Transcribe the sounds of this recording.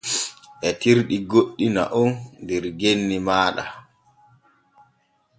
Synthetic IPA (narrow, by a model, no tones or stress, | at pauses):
ʔɛtiɾɗiɡoɗːina̰ʔɔndɛɾɡenːimaːɗa̰